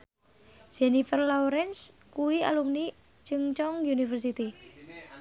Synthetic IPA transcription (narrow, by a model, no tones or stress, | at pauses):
d͡ʒ̥ɛnifərlɔuɾɛnskuwia̰lumni | t͡ʃɨŋt͡ʃɔŋjunifərsit̪i